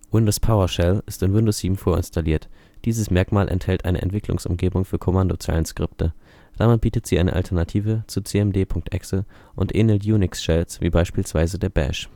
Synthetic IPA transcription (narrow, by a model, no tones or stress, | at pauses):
wɪndospʰaʊɐʃɛlɪstɪnwɪndosz̥iːbm̩foːɐɪ̰nstʰaliːɐt | d̥iːzəsmɛɐkmaːlʔɛ̰nthɛltʔa̰ɪnə̰ʔɛ̰ntv̥ɪkʰlʊ̰ŋsʔʊ̰mɡeːbʊŋfyːɐkʰomandot͡sa̰ɪənskʁ̥ɪp̚tʰə | d̥amɪt̚b̥iːtətz̥iːʔaɪnə̰ʔa̰ltʰɐnatʰiːvət͡sut͡seɛmdeːpʰʊŋk̚tʔɛksl̩ | ʔʊntʔḛːnəltjuːnɪksʃɛlsv̥ḭːbaɪʃpiːlsv̥aɪzədeːɐbɛ̰ʃ